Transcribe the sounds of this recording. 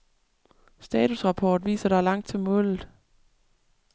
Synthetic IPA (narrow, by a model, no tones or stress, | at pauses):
sd̥ɛːt͡sʰusʁɑ̈pʰɒːd̥ʋḭːsɐɾ̥ɑ̈lɑ̈ŋ̰d̥̚t͡sʰe̝lmɔ̽lð̩ˠ